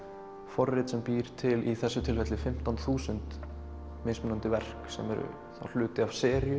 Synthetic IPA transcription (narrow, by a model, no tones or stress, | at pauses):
fɔrːɪt̪sɛmpiːɾ̥t̪ʰɪliθɛsːʏt̪ʰɪlfɛt̪lɪfɪm̥t̪anθuːsʏnt̪ | meːsmʏnant̪ɪvɛr̥ksɛ̰mɛɾʏ̰ | θa̰l̥ʏːt̪ɪavsɛːɾjʏ